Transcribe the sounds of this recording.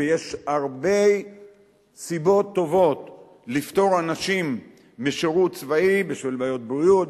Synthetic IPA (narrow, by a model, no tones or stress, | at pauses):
jeʃaʁbe̞j | sibo̞t̪ːo̞vo̞t̪ | lift̪o̞ʁanaʃimː | eʃeʁutt͡svaibiʃvilbajo̞t̪̚bʁijut̪